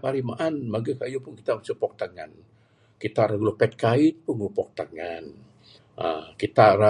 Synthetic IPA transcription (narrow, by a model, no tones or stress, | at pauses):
paɾimaʔanmaɡakajupʊnki̥t̪at͡ʃupɔk̚t̪əŋa̰n | kit̪aɾaɡlɔpɛt̪̚kaɪt̪̚puŋupɔk̚t̪əŋan | ə̰kit̪aɾa